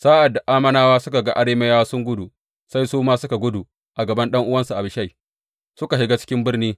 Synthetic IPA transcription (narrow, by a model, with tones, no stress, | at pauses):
saː˦ʔa˨dːa˨ʔaː˦mɐ˦naː˦waː˦sʊ˦ka˨ɡa˦ʔa˦ɽeː˦me˦jaː˦sʊ˦ŋɡʷʊ˦du˨ | sa˦jsuː˦maː˦sʊ˦ka˨ɡʷʊ˦du˨ | ʔa˨ɡɐ˨bɐ˦nɗɐ˦ŋʔʊ˦wɐ˦nsu˨ʔa˨bɪ˨ʃa˦˨j | sʊ˦ka˨ɦɪ˦ɡa˦t͡ʃɪ̥˦kʲɪ˦mbɪ˦rniː˦